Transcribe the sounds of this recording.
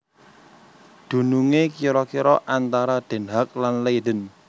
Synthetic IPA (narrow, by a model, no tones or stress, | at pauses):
d̪̥ṳnuŋekiɾɔkiɾɔʔant̪aɾad̪̥e̤nɦak̚lanleɖə̤n